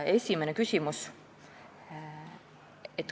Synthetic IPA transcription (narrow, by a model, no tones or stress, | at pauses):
e̞sʲimenekysʲimus | et̪ː